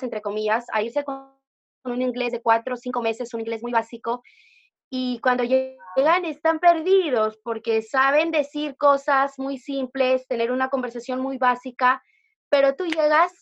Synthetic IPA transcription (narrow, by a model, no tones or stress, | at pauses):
sent̪ɾe̞ko̞miʝasa̰iɾse̞ko | nũnĩŋɡle̞zðe̞kwat̪ɾo̞siŋko̞me̞se̞suniŋɡle̞zmujβasiko̞ | ikwand̪o̞ʝeɣane̞st̪ampe̞ɾðiðo̞spo̞ɾke̞saβ̞e̞nd̪e̞siɾko̞sazmujsimple̞st̪e̞ne̞ɾunako̞mbe̞ɾsasjo̞nmujβasika | pe̞ɾo̞t̪uʝe̞ɣas